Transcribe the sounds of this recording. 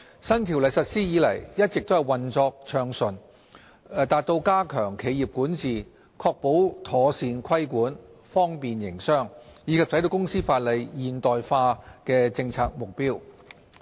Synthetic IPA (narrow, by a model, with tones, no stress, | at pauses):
sɐ˥nt̪ʰi˨˩wlɐ˨jsɐ˨t̚siː˥jiː˨˧lɐ̰˨˩jjɐ˥t̚t͡sɪ˨k̚t̪o˥whɐ˨jwɐ˨nt͡sɔː˧k̚t͡ʃʰœː˨˩ŋsɵ˨˩nː˨ | t̪aː˨t̚t̪o˧wkaː˥kʰœː˨˩ŋkʰe˨˧jiː˨p̚kuː˨˥nt͡siː˨ | kʰɔː˧k̚po˨˥wt̪ʰɔː˨˧siː˧nkʰɐ˥jkuː˨˥nfɔː˥ŋpiː˨njɪ˨˩ŋsœː˥ŋjiː˨˧kʰɐ˨p̚sɐ˨˥jd̪o˧wkʊ˥ŋsiː˥faː˧t̚lɐ˨˧jjiː˨˩nt̪ɔː˨˩jfaː˧kɛː˧t͡sɪ˧ŋt͡sʰaː˧k̚mʊ˨k̚piː˥w